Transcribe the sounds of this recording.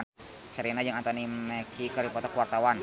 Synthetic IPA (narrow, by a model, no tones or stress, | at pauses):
t͡ʃaɾinad͡ʒaŋant̪ɔniɛkʰikəɾipɔt̪ɔkuwart̪awan